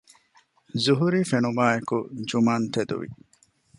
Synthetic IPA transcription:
zuɦuɾiːfenubaːekud͡ʒumaːnt̪ed̪ṵʋḭ

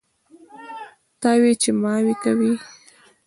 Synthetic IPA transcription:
t̪ɑwet͡ʃemɑwekawi

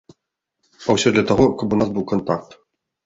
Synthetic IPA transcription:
awsʲɔd̪lʲɐt̪aɣɔkɐpunasbɨwkɐnt̪ak̚t̪

